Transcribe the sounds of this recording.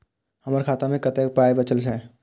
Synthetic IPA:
həməɾkʰaːt̪amẽkət̪epaːebət͡ʃəlsʰɛ̃

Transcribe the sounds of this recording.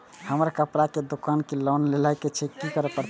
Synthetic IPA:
həməɾkəpɾaked̪okankelɔnlelajket͡ʃʰekikəɾepəɾt̪

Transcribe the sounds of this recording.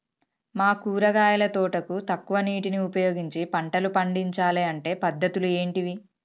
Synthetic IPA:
maːkuːɾɐɡaːjɐlɐt̪ɔːʈɐkut̪ɐkːuʋɐniːʈiniupɐjoːɡiɲt͡ʃipɐɳʈɐlupɐɳɖiɲt͡ʃaːleːɐɳʈe̞ːpɐd̪ːɐt̪ulue̞ːɳʈiʋi

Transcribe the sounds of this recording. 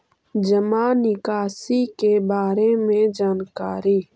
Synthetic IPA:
d͡ʒəmanɪkaːsikebaːɾemẽd͡ʒaːnkaːɾiː

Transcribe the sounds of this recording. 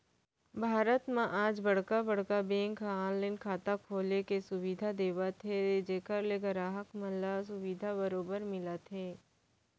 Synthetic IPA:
bʱaːɾət̪mãʔaːd͡ʒbɐɽ̤kabɐɽ̤kabẽːŋkʰaːnlẽnkʰaːt̪akʰoːlekesʊʋiːd̪ʱad̪eːʋat̪ʰed͡ʒeːkəɾleɡɐɾaːɦəkməlas̬ʊʋiːd̪ʱabɐɾoːbəɾmɪlat̪ɦeː

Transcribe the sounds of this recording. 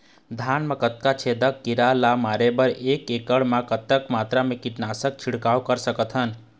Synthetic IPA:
d̪ʱanmakət̪kat͡ʃʰed̪əkːiɾalamaɾebəɾekekəɽmakət̪əkmat̪ɾamekiʈnasək̚t͡ʃʰiɽkawkəɾsəkət̪ʰɦən

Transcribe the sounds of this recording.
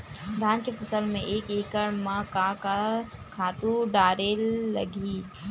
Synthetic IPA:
d̪ʱaːnkepfʰɐsəlmẽʔeːkeːkəɾmãkakakʰaːt̪ũɖaːɾelɐɡi

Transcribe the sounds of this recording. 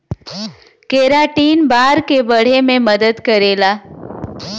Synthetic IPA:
keɾaʈiːnbaɾkebəɽ̤emẽməd̪əd̪kəɾela

